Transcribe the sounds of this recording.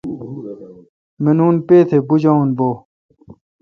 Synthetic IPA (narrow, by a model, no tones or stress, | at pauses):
menuːnpeːt̪ʰebud͡ʑaunboː